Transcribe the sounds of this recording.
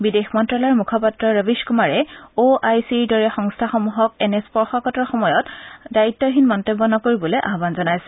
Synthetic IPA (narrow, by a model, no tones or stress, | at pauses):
bidexmɔntɹalaɹmukʰɔpatɹɔɹəbiskumaɹɛoʔajsiɹdɔɹɛxɔŋstʰaxɔmuɦɔk̚ɛnespɔɹxɔkɔtɔɹxɔmɔjɔtdaɹitːɔɦinmɔntebːɔnɔkoɹibɔleʔa̰ɦbanzɔnajsɛ̥